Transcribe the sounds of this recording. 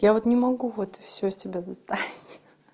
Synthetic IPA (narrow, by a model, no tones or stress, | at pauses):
javot̪nʲɪmɐɡuvot̪fsʲɵsʲɪbʲazɐst̪avʲɪtʲ